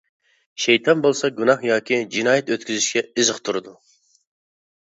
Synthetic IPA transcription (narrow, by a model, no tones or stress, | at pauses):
ʃejt̪ʰɑnbolˠsɑɡunɑχjɑːkʲid͡ʒinɑːjɛt̪øt̪kʲyzyʃkʲɛɨzəqt̪ʰuɾɨd̪u